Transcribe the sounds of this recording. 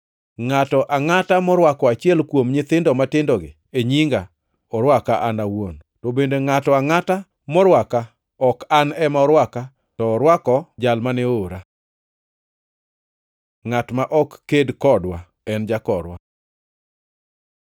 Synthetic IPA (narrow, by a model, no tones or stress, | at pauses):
ŋatɔʔaŋatamɔɾwakɔat͡ʃɪɛlkwomɲɪt̪ɪndɔmatɪndɔɡɪ̰ | eɲiŋɡa | ɔɾwakaʔanawon | tɔbendeŋatɔaŋata | mɔɾwaka | ɔkanɛmaɔɾwaka | tɔːɾwakɔd͡ʒalmaneoɾa | ŋatmaʔɔkːedkɔdwa | ɛnd͡ʒakɔɾwa